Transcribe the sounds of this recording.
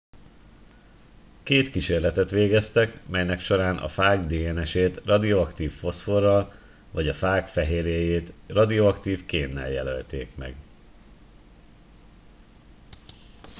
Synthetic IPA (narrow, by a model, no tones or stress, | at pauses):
keːt̪kiʃeːrlɛt̪ɛt̪ʋeːɡɛst̪ɛkmɛjnɛkʃo̞ɾaːnʔɒ̰faːɡd̪eːɛnɛʃeːt̪rɒd̪io̞ɒkt̪iːfːo̞sfo̞rːɒl | vɒɟɒfaːkfɛɦeːɾjeːjeːt̪rɒd̪ioɒkt̪iːfkeːnːɛ̰ljɛlø̰lt̪ḛːkmɛ̰ɡ